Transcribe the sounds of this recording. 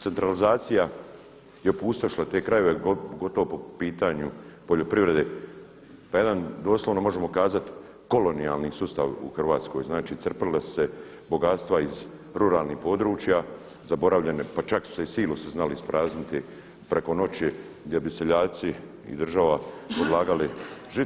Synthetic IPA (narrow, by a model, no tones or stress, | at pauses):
t̪se̞nt̪ɾalizaːt̪sija | jeopust̪aʃlˠat̪eːkɾaje̞ʋe̞ɡo̞t̪o̞ʋopopiːt̪aɲupo̞ʎo̞pɾiʋɾe̞d̪e | paje̞d̪and̪o̞ːsloʋno̞mo̞ʒe̞mo̞kaːzat̪ | ko̞lo̞nija̰lˠnisust̪aʋṵxrʋaːt̪sko̞̰ːjznaːt͡ʃit̪srplase̞ | bo̞ɡat̪st̪ʋaiz | ɾuɾaːlˠniːhpo̞d̪ɾuːt͡ʃja | zabo̞ɾaʋʎe̞nepat͡ʃaksu̥seisiːluseznalispɾaːznit̪i | pɾʔe̞ko̞no̞t͡ɕi | ɡd̪jebiseʎaːt̪si | ḭd̪rʒaʋapo̞d̪lˠaːɡaliʒi